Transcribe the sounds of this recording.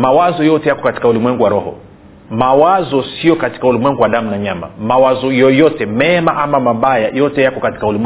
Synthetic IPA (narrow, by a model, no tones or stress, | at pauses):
mawazɔjɔtɛjakɔkati̥kaulimwɛŋɡuwaɾɔhɔ̰ | mawazɔsijɔkati̥kaulimwɛŋɡuwaɗamunaɲama̰mawazɔjɔjɔtɛmɛmaʔamamaɓajajɔtɛjakɔkati̥kaulimw